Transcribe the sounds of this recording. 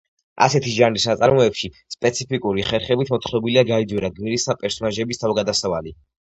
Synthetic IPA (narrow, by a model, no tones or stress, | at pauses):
a̰sɛt̪ʰiʒanɾisnat̪sʼaɾmɔɛpʃi | spʼɛt̪sʰipʰikʼuɾiχɛɾχɛbit̪ʰmɔt̪ʰχɾɔbiliaɡaid̪zwɛɾaɡmiɾisd̪apʼɛɾsɔnaʒɛbist̪ʰavɡad̪asavali